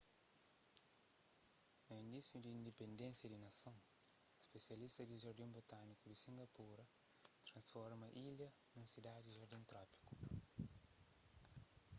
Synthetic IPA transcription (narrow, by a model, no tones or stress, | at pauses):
nɐĩnd̪isjud̪iĩnd̪epẽnd̪ẽnsjɐd̪inɐsɐ̃w̃ʃpesjɐlist̪ɐd̪iʒɔɾd̪ẽmbot̪anikud̪isĩŋɡɐpuɾɐt̪ʃɐ̃nsfɔɾmɐʔilɐnɐ̃sid̪ad̪iʒoɾd̪ẽnt̪ɾapi̥ku̥